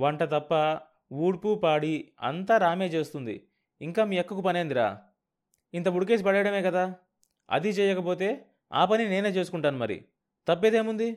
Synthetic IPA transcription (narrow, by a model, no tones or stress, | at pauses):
ʋɐɳʈɐt̪ɐpːɐ | uːɽpupaːɽiɐ̰nt̪aːɾaːme̞ːt͡ʃe̞ːst̪und̪ḭ | iŋkaːmiːɛkːɐkupɐneːnd̪iɾa̰ː | int̪̬ɐbuɽuk̬es̬pɐɽɐjɐɽɐme̞ːkɐd̪aː | ɐ̰d̪it͡ʃɛːjɐkɐpo̞ːt̪̬e̞ː | a̰ːpɐnine̞ːneːt͡ʃeːs̬u̥kuɳʈaːnumɐɾḭ | t̪ɐpːeːd̪e̞ːmund̪i